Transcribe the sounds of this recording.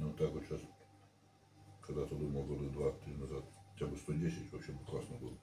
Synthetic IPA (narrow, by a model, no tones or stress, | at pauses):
nut̪akvot̪ɕas | kɐɡd̪at̪ɨb̪ɨlˠməlˠɡod̪əd̪vat̪ɾʲinɐzat̪xɐtʲabɨst̪odʲesʲɪtʲvɐpɕebɨklˠasnəbɨlˠə